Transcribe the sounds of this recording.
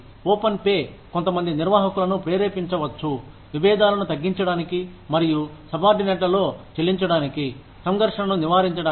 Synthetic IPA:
oːpɐnpeː | kont̪ɐmɐnd̪iniɾʋaːɦɐkulɐnupɾeːɾeːpiɲt͡ʃɐʋɐt͡ʃːu | ʋiʋɛːd̪aːlɐnut̪ɐɡːiɲt͡ʃɐɽaːniki | mɐɾijusɐbaːɾɖinɛʈ̬lɐlo̞ːt͡ʃelːiɲt͡ʃɐɽaːniki | sɐŋɡɐɾʂɐnɐnuniʋaːɾiɲt͡ʃɐɽaː

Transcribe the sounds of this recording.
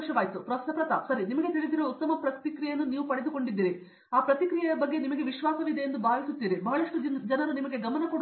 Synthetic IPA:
ʃjɐʋaːjt̪upɾɐst̪ʰɐpɾɐt̪a̰sɐɾinimɐɡe̞t̪iɭid̪iɾoːut̪ːɐmɐpɾɐt̪ikɾijɐɐnːuniːʋupɐɽed̪uko̞ɳɖid̪ːiːɾi | aːpɾɐt̪ikɾijɐjɐbɐɡːe̞nimɐɡe̞ʋiʃʋaːsɐʋid̪ejend̪ubʱaːʋisut̪ːiːɾibɐɦɐɭɐʂʈud͡ʒɐnɐɾunimɐɡe̞ɡɐmɐnɐkoɽ

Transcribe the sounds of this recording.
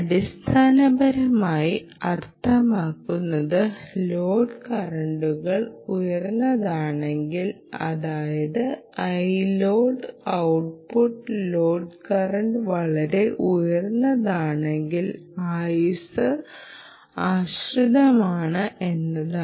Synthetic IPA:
ɐɽist̪ʰaːnɐbɐɾɐmaːji | ɐrt̪ʰɐmaːkːunːɐðɨloːɖkɐrɐɳɖuɣɐɭujɐrnːɐðaːɳe̞ŋɡil | ɐ̰ðaːjɐðɨɐjloːɖɨɐwʈ̚puʈːlo̞ːɖkɐrɐɳɖʋɐɭɐɾe̞ʔujɐrnːɐðaːɳe̞ŋɡilaːjusɨ | aːɕruðɐmaːɳɨʔe̞nːɐð

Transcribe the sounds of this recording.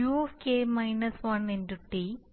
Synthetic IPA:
uefkemɐjnɐsʋɐnenduʈːi

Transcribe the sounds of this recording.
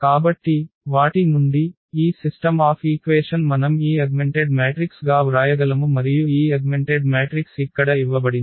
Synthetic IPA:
kaːbɐʈːiʋaːʈimund̪iː | sisʈɐmaːpʰiːkʋeːʂɐnmɐnɐmiːɐɡmeɳʈeɖmeːʈɾiksɡaːɾaːjɐɡɐlɐmumɐɾijuiːɐɡmeɳʈeɖmeːʈɾiksikːɐɽɐiʋːɐbɐɽini

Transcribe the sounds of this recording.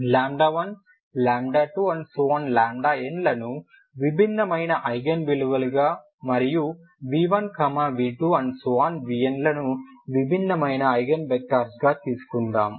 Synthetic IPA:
laːmɖaːʋɐn | laːmɖaːʈuːɐnsuɐnlaːmɖaːenlɐnu | ʋibʱinːɐmɐjnɐʔɐjɡɐnbiluʋɐluɡaː | mɐɾiju | ʋiːʋɐnkɐmaːʋiːʈuɐnsaːnʋijenlɐnuʋibʱinːɐmɐjnɐːjɡɐnbɛkːaːɾsɡaːt̪iːsu̥kuɳɖaːm

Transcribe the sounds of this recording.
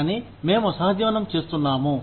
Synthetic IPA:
ni | mẽːmosaːɦɐd̪jɐʋɐnɐmt͡ʃeːst̪unːaːmũ

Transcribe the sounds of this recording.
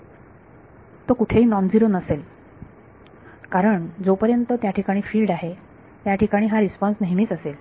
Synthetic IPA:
t̪okuʈʰeɦiːnɔnd͡ziɾonəsel | kaɾəɳd͡zopəɾjənt̪ət̪jaʈʰikaɽ̃iːfiːlɖaɦe | t̪jaʈʰikaɽ̃iːɦaɾispɔnsnəɦiniːt͡səsel

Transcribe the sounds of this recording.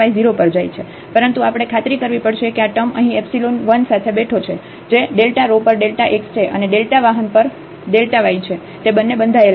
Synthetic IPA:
aid͡ʒiɾopəɾd͡ʒajt͡ʃʰe | pəɾənt̪uapəɽ̃ekʰat̪ɾikəɾʋipəɽʃekeaʈəməɦĩɛpsilonʋənsat̪ʰebeʈʰot͡ʃʰe | d͡ʒeɖelʈaɾopəɾɖelʈaʔekst͡ʃʰeʔə̰neɖelʈaʋaɦənpəɾ | ɖelʈaʋait͡ʃʰe | t̪ebənːebənd̪ʱael

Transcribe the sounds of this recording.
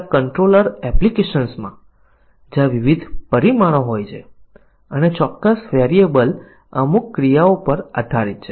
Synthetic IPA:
kəɳʈɾoləɾɛplikeʃənsmã̰ | d͡ʒaʋiʋid̪ʱpəɾimaɽ̃oɦojt͡ʃʰe | ənet͡ʃɔkːəsʋɛɾiebəl | əmukːɾijaopəɾa̰d̪ʱaɾit̪̚t͡ʃʰe

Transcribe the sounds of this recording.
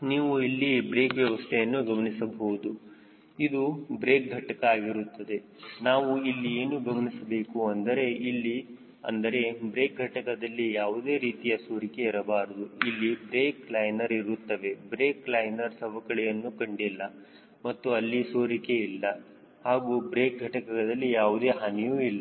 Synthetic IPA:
niːʋuilːibɾe̞ːkʋjɐʋɐst̪ʰɛjɐnːuɡɐmɐnisɐbɐɦud̪u | id̪ubɾe̞ːk̚ɡʱɐʈɐkɐaːɡiɾut̪ːɐd̪e̞ | naːʋuilːieːnuɡɐmɐnisɐbe̞ːkuɐnd̪ɐɾe̞ilːi | ɐ̰nd̪ɐɾe̞bɾe̞ːk̚ɡʱɐʈɐkɐd̪ɐlːijaːʋud̪e̞ːɾiːt̪ijɐsoːɾikeiɾɐbaːɾɐd̪uilːibɾeːklɐjnɐɾiɾut̪ːɐʋe̞bɾeːklɐjnɐɾsɐʋɐkɐɭɛjɐnːukɐɳɖilːɐ | mɐt̪ːuɐlːisoːɾike̞ilːɐ | haːɡuːbɾeːk̚ɡʱɐʈɐkɐɡɐd̪ɐlːijaːʋud̪e̞ːɦɐnɛjuːilːɐ

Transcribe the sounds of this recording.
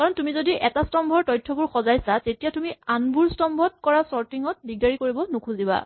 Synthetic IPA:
kaɹɔntumizodiʔɛtastɔmbʱɔɹtɔjtʰːɔbuɹxɔzajsatetijatumianbuɹstɔmbʱɔt̚kɔɹasɔɹtiŋɔt̚biɡ̚daɹikoɹibɔnukʰuziba̰

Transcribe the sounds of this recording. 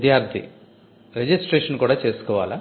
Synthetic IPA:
d̪jaːɾt̪ʰḭ | ɾed͡ʒisʈɾeːʂɐnkuːɽaːt͡ʃeːsu̥kɔːʋa̰ːlaː

